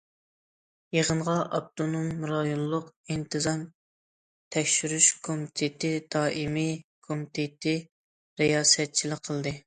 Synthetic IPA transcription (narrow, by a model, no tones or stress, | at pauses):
jeʁənʁɑʔɑb̚t̪onumːɾɑjulˠːʊqint̪ʰɨzɑn | t̪ʰɛkʲʃyɾyʃkʰomit̪ʰɪt̪ɪd̪̥ɑːʔimikʰomit̪ʰɪt̪ʰɪ | ɾejɑːsɛt̪̚t͡ʃʰilɪkqʰəlˠd̪ɨ